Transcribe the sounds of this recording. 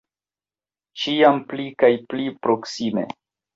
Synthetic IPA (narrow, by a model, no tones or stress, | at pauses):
t͡ʃiamplikajplipɾo̞ksime̞̰